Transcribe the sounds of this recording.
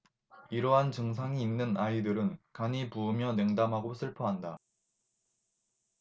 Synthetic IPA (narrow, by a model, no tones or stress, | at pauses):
iɾʌɦant͡ɕɯŋs̬ʰaŋiːnːɯnaidɯɾɯnkaɲipuːmjʌne̞ŋdamɦaɡosʰɯɭpʰʌɦanda